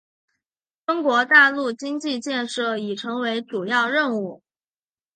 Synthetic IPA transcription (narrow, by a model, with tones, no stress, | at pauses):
fə˥ŋkwɔ˧˥t̪a˥˧lu˥˩t͡ɕi˥ŋt͡ɕi˥˧t͡ɕjɛ˥˧nʂɤ˥˩i˨˩ʈ͡ʂʰɤ˧˥ŋwe˧˥ɪʈ͡ʂu˨˩jɑ˥˧ʊɻə˥˧nu˥˩